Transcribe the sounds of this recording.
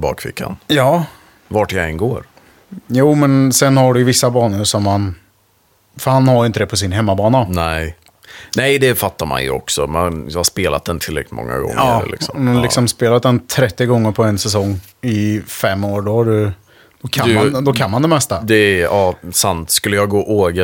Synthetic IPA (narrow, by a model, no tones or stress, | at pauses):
bɑ̰ːkfɪ̰kːa̰njɑː | vaʈjaɛnɡoːɾ | juːmɛnsɛnhaɖɵjvɪsːabɑːnəɾsɔmhan | fœɾhanhaɾjɪnt̪əd̪ɛpʰɔs̬ɪnɦɛmːabɑːnanɛɪ | nɛɪd̪ɛfat̪ːaɾma̰njɵ̰ɔ̰ksɔmɛnjɑhaspeːla̰t̪d̪ɛnt̪ʰɪlɾɛ̰klɪt̪mɔ̰ŋːa̰ɡɔ̰ŋːɑːlɪ̰ksɔmɔmd̪alɪksɔmspeːlat̪̚d̪ɛnt̪ʰɾɛt̪ːɪɡɔŋːəɾpʰɔɛnsɛsɔŋː | ɪfɛmːoːɾɖɔhaɖɵ | d̪̥ɔkʰadad̪ɔkʰanmand̪ɛmɛst̪ad̪ɛɑːsant̪skɵlːəjɑɡoːʔoːɡə